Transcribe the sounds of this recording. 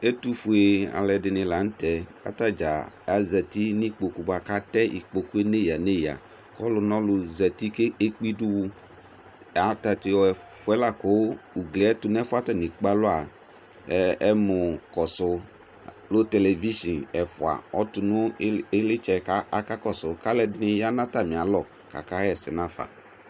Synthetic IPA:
e˦tu˦fu˨e˨a̰˨lɛ˨dɪ˨nɪ̃˨la˨n̩˦tɛ˨kʰa̰˦ta˦d͡ʒa̰˨ | a˦zɛ˨t̪i˦ni˦k͡po˨ku˦ba˨ka˦tɛ˦ʔḭ˨k͡po˨ku˦e˦ne˦ja˨ne˦ja̰˨ | kɔ˦lʊ˨nɔ̃˦lʊ˨zɛ˨t̪i˦ke˦k͡pi˦du˦wu˦˨ | a˨ta˨t̪ɪ˨wɔ˦ɛ˨fʊ˨ɛ˦la˨kɔ˨˦u˨ɡlɛ˨ɛ˦tʊ˨n˦ɛ˦fʊ˦a˦tɛ˦˨ni˨k͡pa˦lʊ˦a˨˦ | ɛ˦mʊ˨kɔ˨sʊ˨ | lʊ˦tɛ˨lɛ˨vi˦ʃi˨nɛ˨fʊ˨a̰˨ɔ˨˦tʊ˨nʊ˦e˦lɪ˦t͡ʃɛ˨ka˦a˨˦ka˦kɔ˦˨sʊ˨ka˦lɛ˦dɪ˦nɪ˦ja˦nã˦ta˦˨mĩ˨a˨˦lɔ˦˨ | ka̰˨ka˦ɛ˦˨sɪ̰˨na˦˨fa̰˨

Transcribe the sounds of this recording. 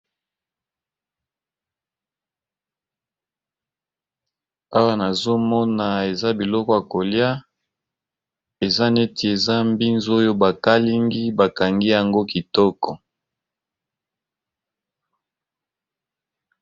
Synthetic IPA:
a˦wa˦na˨zo˦mɔ˦na˨e˨za˦bi˨lɔ˦kɔ˦ja˨ko˨lja˦ | e˨za˦ne˦te˨e˨za˦mbi˦nzo˦jo˦ba˨ka˦li˦ŋɡi˦ba˨ka˨ŋɡi˦ja˨ŋɡo˦ki˨tɔ˦kɔ˨

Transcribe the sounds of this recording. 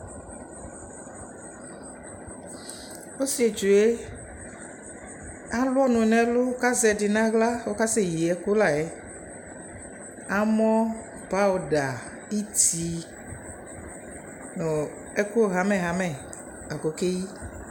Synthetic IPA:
wo˦si˨e˨t͡ʃu˨e˦ | ã˦lu˦ɔ˦nũ˨nɛ̃˦lo˦ka˦zɛ˨ɖi˨nã˦ɣla˦wo˦ka˦se˦ji˨ɛ˦ko˦la˨e˨˦ | ã˦mɔ̃˦ | pa˦o˨ɖa˨ | i˦t̪i˨ | nũ˨ | e˦ku˦o˨ɦã˨mɛ̃˨ɦã˨mɛ̃˨ | a˨ko˨ke˦ji˦

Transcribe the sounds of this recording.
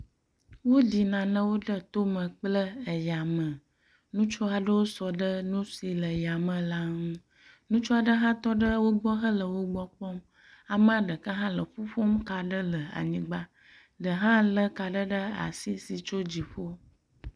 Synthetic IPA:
wo˦d̪i˨nã˨nə̃˦wo˦ɖə˦t̪o˦mə̃˨k͡plə˦ə˨ja˨mə̃˨ | nũ˦t͡ʃo˦a˨ɖə˦wo˦sɔ˨ɖə˦nũ˦si˨lə˨ja˨mə̃˨la˦ŋũ˦ | nũ˦t͡ʃɔ˦a˨ɖə˦ɦã˦t̪ɔ˦ɖə˦wo˦ɡ͡bɔ˦ɦə˦lə˨wo˦ɡ͡bɔ˦k͡pɔ˦m | a˨mə̃˦a˨ɖə˨ka˦ɦã˦lə˨ɸu˦ɸo˦mka˨ɖə˦lə˨a̰˨ɲĩ˦ɡ͡ba˦ | ɖə˨ɦã˦lə˦ka˨ɖə˦ɖə˦a̰˨si˦si˨t͡ʃo˦d͡ʑi˨ɸo˦

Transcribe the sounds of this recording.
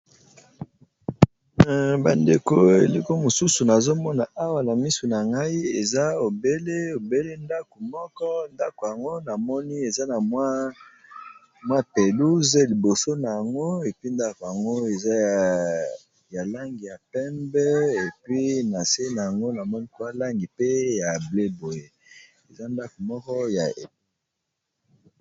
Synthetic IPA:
ba˨nde˨ko˦ḛ˨li˦ko˦mo˨su˦su˨na˨zo˦mɔ˦na˨ʔa˦wa˨na˨mi˦so˨na˨ŋɡa˦i˦e˨za˦o˨be˦le˦o˨be˦le˦nda˦ko˨mɔ˦kɔ˦nda˦ko˨ja˨ŋɡo˦na˨mɔ˦ni˦e˨za˦na˨m˦ | mwa˦˨pe˨lu˦ze˦li˨bo˨so˦na˨ja˨ŋɡo˦e˨pi˦nda˦ko˨ja˨ŋɡo˦e˨za˦ | ja˨la˦ŋɡi˨ja˨pɛ˦mbɛ˦e˨pɥi˦na˨se˦na˨ja˨ŋɡo˦na˨mɔ˦ni˦kwa˦la˦ŋɡi˨pe˦ja˨ble˦bo˨je˦ | e˨za˦nda˦ko˨mɔ˦kɔ˦ja˨e˨

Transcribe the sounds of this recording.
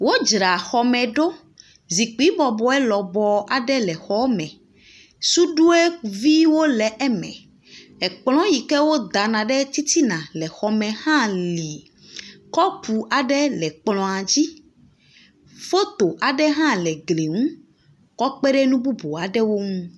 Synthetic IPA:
wo˦d͡ʒɾa˨xɔ˨mɛ̃˨ɖo˦ | zi˨k͡pi˨˦bɔ˨bɔ˨ɛ˦lɔ˨bɔ˨a˨ɖɛ˦lɛ˨xɔ˨˦mɛ̃˨ | su˦ɖu˦e˦vi˦wo˦lɛ˨ʔɛ˦mɛ̰̃˨ | ɛ˨k͡plɔ̃˦ji˨kɛ˦wo˦d̪a˨nã˨ɖɛ˦t̪i˦t̪i˦nã˨lɛ˨xɔ˨mɛ̃˨hã˦li˨ | kɔ˦pʰu˨ʔa˨ɖɛ˦lɛ˨k͡plɔ̃˨a˨d͡ʑi˦ | fo˦t̪o˨ʔa˨ɖɛ˦ɦã˦lɛ˨ɡle˨ŋũ˦ | kɔ˦k͡pɛ˦ɖɛ˦nũ˦bu˦bo˨a˨ɖɛ˦wo˦ŋũ˦

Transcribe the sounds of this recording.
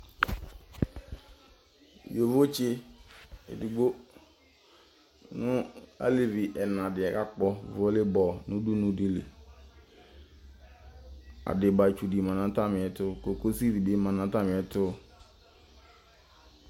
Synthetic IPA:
jo˨vo˦t͡ʃɪ˦ | ḛ˨du˨ɡ͡bo˦ | nʊ̃˦a̰˦le˨vi˨ʔɛ˨nã˨dɪ˨ɛ˨ka˦k͡pɔ˦˨vo˦lɪ˦bɔ˨nʊ̃˦du˦nʊ̃˨di˦lḛ˨ | a̰˨dɪ˨ba˨t͡ʃu˨di˨mã˨nã˦ta˦mɪ˨ɛ˨tʊ˦ko˨ko˦si˦vi˨dɪ˦mã˨nã˨ta˦mɪ̃˨ɛ˦tʊ˦

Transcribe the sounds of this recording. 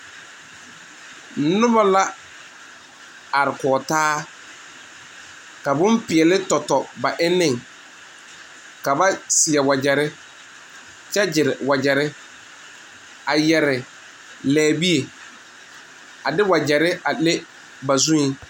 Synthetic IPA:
nʊ˦ba˦la˦ | a˨ɾɪ˨kɔː˨taː˦ | ka˨bʊ̃˦mpɪ˨ɛ˨lɪ˦tɔ˨tɔ˨ba˨ʔɪ˦nɪ̃˦˨ŋ | ka˨ba˦sɪ˨ɛ˨wa˨d͡ʒɛ˨ɾɪ˦ | t͡ʃɛ˦d͡ʒɪ˨ɾɪ˨wa˨d͡ʒɛ˨ɾɪ˦ | a˨jɛ˨ɾɪ˨ | lɛː˨bi˦e˨ | a˨dɪ˦wa˨d͡ʒɛ˨ɾɪ˦a˨le˦ | ba˨zũ˦i˦

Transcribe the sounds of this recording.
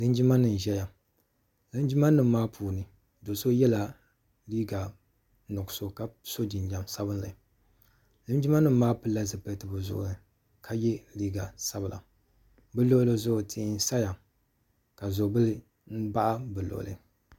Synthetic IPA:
lɨ˦n˦d͡ʒi˦ma˦nɨ˨n˨ʒɛ˦ja˨ | lɨ˦n˦d͡ʒi˦ma˦nɨ˨mː˦aː˦pʰuː˨nɨ˨ | do˨so˦jɛ˦la˨ | liː˦ɡa˨ | nɔ˨ɡso˦ka˦so˦d͡ʒi˨nɲa˨msa˦bɨ˦n˦la̰˨ | lɨ˦nd͡ʒi˦ma˦nɨ˨m̩ː˦aː˦pɨ˦la˦zɨ˨pɛ˦˨tɨ˨bɨ˨zʊ̰˨ʔʊ̰˨nɨ˨ | kʰa˦jɛ˦liː˦ɡa˨sa˦bɨ˨la̰˨ | bɨ˦lo˦lɨ˨zʊ˦ʔʊ˨tʰi˨˦n˦sa˦ja˨ | ka˨zʊ˨bɨ˦lɨ˦ | n̩˦ba˦ʔa˦bɨ˨lo̰˨lɨ̰˨

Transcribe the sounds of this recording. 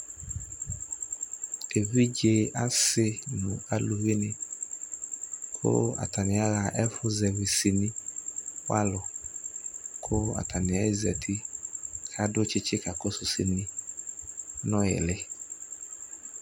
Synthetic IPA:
e˨vi˦d͡ʒe˦a˦sɪ˦nʊ̰̃˨a˨lu˨ɣi˦nɪ˦ | kʰʊ̰˦a̰˨ta˨nɪ˨a˦ɣa˨ʔɛ˦fʊ˦zɛ˨vi˨si˨nĩ˦ | wa̰˦lʊ˨ | kʰʊ˦a̰˨tʰa˨nɪ˨a˦ɪ˦zɛ˨tʰi˦kʰa˦dʊ˦t͡ʃɪ˦t͡ʃɪ˦ka˨kʊ˦sʊ˨sḭ˨nĩ˦ | nɔ˦jɪ̰˨lɪ˦

